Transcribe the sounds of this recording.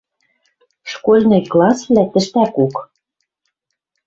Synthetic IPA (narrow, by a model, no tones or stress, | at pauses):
ʃkolʲnɤjklˠɑsvlʲæt̪ɘ̆ʃt̪ækuk